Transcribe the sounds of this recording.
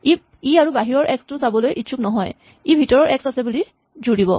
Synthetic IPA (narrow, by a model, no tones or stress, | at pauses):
i | iaɹubaɦiɹɔɹʔɛkstʊsabɔlojʔitʃʰuknɔɦɔj | ibʱitɔɹɔɹʔɛksasɛbuli | zuɹibɔ̰